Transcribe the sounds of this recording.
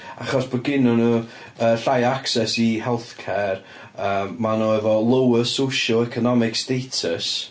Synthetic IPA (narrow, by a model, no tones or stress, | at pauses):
aχɔsb̥ɔɡɪnʊnuː | əɬajaksɛsihɛlˠθkʰɛr | əːmmanoɛvɔlˠowəsowʃəlˠɛkʰɔnɔmɪkstejtʰəs